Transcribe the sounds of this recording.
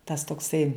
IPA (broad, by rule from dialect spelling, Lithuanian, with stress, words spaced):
tɐs toːkˈsɐɪ